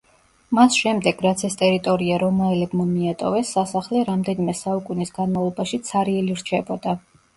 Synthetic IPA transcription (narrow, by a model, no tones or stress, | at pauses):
masʃɛmd̪ɛɡ̥ɾat̪sʰɛst̪ʼɛɾit̪ʼɔɾiaɾɔmaɛlɛbmɔmiat̪ʼɔvɛsːasaχlɛɾamd̪ɛnimɛsaukʼunisɡanmavlˠɔbaʃit̪sʰaɾiɛliɾt͡ʃʰɛbɔd̪a